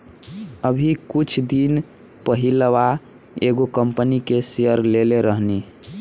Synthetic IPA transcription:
əbʱikut͡ʃʰd̪in | pəɦiləʋa | eɡokəmpənikeseəɾleleɾəɦni

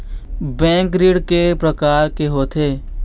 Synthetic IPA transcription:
bɛ̃ːŋkɾiːɽkepɾəkaːɾkeɦoːt̪ʰeː

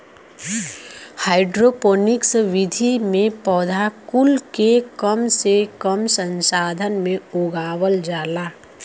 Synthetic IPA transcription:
haːɪɖɾopoːnɪksʋɪd̪ʱimẽpɔːd̪ʱakʊlkekəmsekəmsə̃nsaːd̪ʱənmẽoːɡaːwəld͡ʒaːlaː

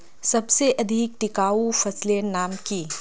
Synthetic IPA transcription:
sɐbseʔɐd̪ʱik̚ʈikaupʰɐslenaːmki

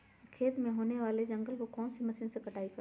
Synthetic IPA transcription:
kʰeːt̪mẽɦoːneʋaːled͡ʒɐ̃ŋɡəlkokɔːnsimɐsɪnsekɐʈaːikɐ

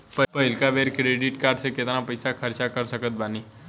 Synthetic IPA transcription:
pəpəilkaʋeɾkɾeɖiʈkaɾɖseket̪ɾãpəjsakʰəɾt͡ʃakəɾsəkət̪̚bani

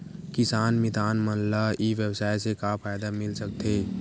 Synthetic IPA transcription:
kɪsaːnmɪt̪aːnmənlaiʋjəbsaːjsekapʰaːjd̪amɪlsək̚t̪eː

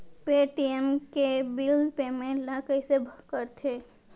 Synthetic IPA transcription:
peːʈiemkebɪldpemẽlaːkəisebʱkəɾt̪ʰeː

